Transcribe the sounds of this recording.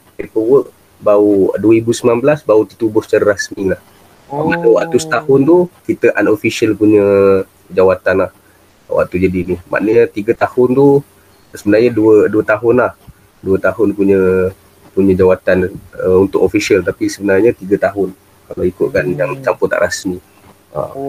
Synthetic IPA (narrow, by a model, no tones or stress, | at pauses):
pəwəʔ | bauduəɾibusəmənanbəlasbaut̪it̪ubʊsə̥t͡ʃaɾaɾasmilah | a̰maʔnəwa̰ʔt̪usə̥t̪ahʊnt̪ukit̪əʔanofisiəlpuɲə | d͡ʒawat̪anlah | wa̰ʔt̪ud͡ʒadinima̰ʔnəɲət̪iɡət̪ahʊnt̪u | səbənarɲəduəduət̪aɦʊnlah | duət̪aɦʊnpuɲə | puɲə̃d͡ʒawat̪anəunt̪ʊkofisiəlt̪apisəbənarɲət̪iɡət̪aɦʊn | kalawikʊʔ̪̚kanjaŋt͡ʃampʊt̪a̰ʔɾasmi | ə̰m